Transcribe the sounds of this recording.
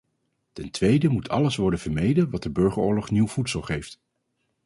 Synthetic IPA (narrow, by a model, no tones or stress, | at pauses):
tɛntʋejdəmutʰɑ̰ləsʋɔɹdənvəɹmejdənʋɑt̚dəbøɹχəɹʊːɹlɔχniwv̥utsəlˠχejft